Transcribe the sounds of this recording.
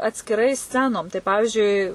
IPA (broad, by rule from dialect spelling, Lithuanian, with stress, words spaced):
ɐtʲsʲkʲɪˈrɐɪ ˈsʲt͡sʲæːnoːm tɐɪ ˈpɑːʋʲɪʒʲʊɪ